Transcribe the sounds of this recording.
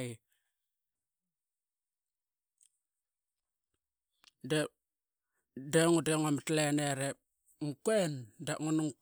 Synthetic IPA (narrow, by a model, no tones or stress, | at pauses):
j | de | deŋudeŋamatleneɾep̚ | ŋkuendaŋunuŋ